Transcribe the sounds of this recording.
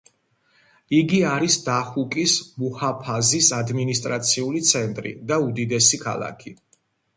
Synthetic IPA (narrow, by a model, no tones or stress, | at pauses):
iɡiaɾisd̪aχukʼismuhapʰazisad̪minist̪ʼɾat̪sʰiulit̪sʰɛnt̪ʼɾḭd̪aud̪id̪ɛsikʰa̰lˠa̰kʰi